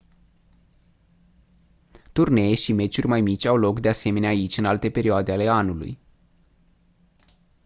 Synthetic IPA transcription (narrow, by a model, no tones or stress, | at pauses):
t̪urne̞jeʃime̞t͡ʃurʲmajmit͡ʃʲawlo̞kd̪ease̞me̞neaːit͡ʃʲɨnalt̪e̞pe̞ɾioad̪e̞ale̞anulṵj